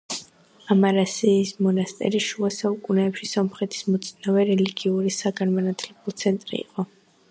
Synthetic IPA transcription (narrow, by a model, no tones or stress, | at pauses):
amaɾasiːsmɔnast̪ʼɛ̰ɾiʃuasaukʼunɛːpʃisɔmχɛt̪ʰi̥smɔt̪sʰʼnavɛɾɛliɡiuɾisaɡanmɔnat̪ʰlɛbulˠt̪sʰɛnt̪ʼɾḭːqʼɔ